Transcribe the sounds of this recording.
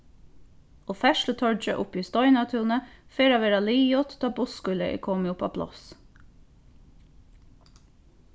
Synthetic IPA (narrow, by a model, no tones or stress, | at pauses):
oːfæʃlət̪ʰɔd͡ʒə̰ʔʊpiːst̪ɔʏnɑt̪ʰʉːnəfeːɾɑʋeːɾɑliːjɔt̪t̪ɑːbʊskʉləʔḛːkʰɔmiʊpʰɑ̰ːpʰlɑ̰s